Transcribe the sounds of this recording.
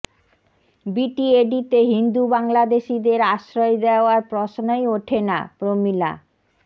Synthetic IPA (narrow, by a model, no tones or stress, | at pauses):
biʈieɖit̪eɦind̪ubaŋlad̪eʃid̪eɾaʃɾojd̪eaɾpɾɔʃnojoʈʰena̰pɾomila̰